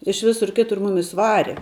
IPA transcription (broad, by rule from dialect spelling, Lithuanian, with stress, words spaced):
ɪʃ ˈʋʲɪsʊr ˈkʲɪtʊr ˈmʊmʲɪs ˈʋɑːrʲɛ